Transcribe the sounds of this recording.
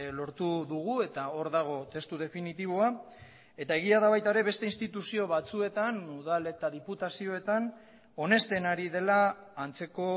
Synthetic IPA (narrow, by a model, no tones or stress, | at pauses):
lo̞ɾt̪uðuɣ̞ue̞t̪ao̞ɾðaɣ̞o̞t̪e̞st̪uð̞e̞finit̪iβ̞o̞a | e̞t̪ae̞ɣ̞iaðaβajt̪aɾe̞βe̞st̪e̞inst̪it̪usio̞βat͡sue̞t̪anuðale̞t̪aðiput̪asio̞e̞t̪an | o̞ne̞st̪e̞naɾiðe̞laːnt͡se̞ko̞